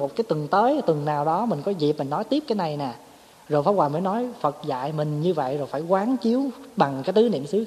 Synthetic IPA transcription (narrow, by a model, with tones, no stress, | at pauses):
mo˨˩t̚kaː˨˦jt̪ɨ˨˩ŋt̪əː˨˦jt̪ɨ˨˩ŋnaː˨˩wɗɔ˨˦mï˨˩ŋ̟kɔ˨˦zi˨˩p̚mï˨˩ŋ̟nɔ˨˦jt̪i˦˥p̚kaː˨˦jna˨˩jnɛː˨˩ | zo˨˩jfaː˨˦˥waː˨˩əː˨˦jnɔ˨˦jfə˨˩t̚za̰ː˧˨jmï˨˩ŋ̟ɲɨ˧və̰˧˨jzo˨˩jfaː˧˩jkwaː˨˦ŋt͡ɕi˨˦əwɓa˨˩ŋkaː˨˦jt̪ɨ˨˦nḭ˧˨əmsɨ˨˦